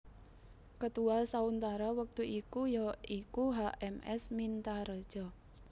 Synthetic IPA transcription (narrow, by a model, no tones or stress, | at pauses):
kət̪uasaunt̪aɾawək̚t̪uʔikujɔikuɦaʔɛmɛsmint̪aɾəd̥ʒ̥ɔ